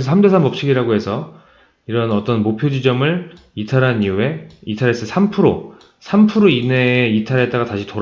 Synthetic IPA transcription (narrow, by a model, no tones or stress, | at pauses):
ʌsʰamde̞s̬ʰanmʌp̚ɕ͈iɡiɾaɡoɦe̞sʰʌ | iɾʌnʌt͈ʌnmopʰjod͡ʑid͡ʑʌmɯɭ | itʰaɾɦaniue̞itʰaɾes͈ɯsʰampʰɯɾo | sʰampʰɯɾoine̞itʰaɾet͈aɡataɕʰitoɾ